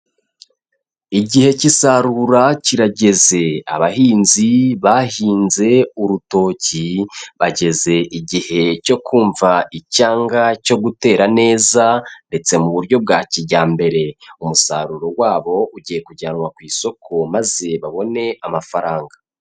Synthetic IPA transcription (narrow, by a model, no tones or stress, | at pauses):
iɟihe̞cisaɾuɾaciɾaɟe̞ze̞a̰βaɦiːnziβahiːnze̞uɾuto̞ːciβaɟe̞ze̞ʔiɟihe̞co̞kʰuːɱvaicaːŋɡaco̞ɡute̞ːɾane̞ːzande̞t͡se̞muβuɾɟo̞b̚ɡaːciɟaːmbe̞ɾe̞umusa̰ɾuɾo̞waːβo̞ʔuɟiːje̞kuɟaːnwakwiːso̞kʰo̞maze̞βaβo̞ne̞amafaɾaːŋɡa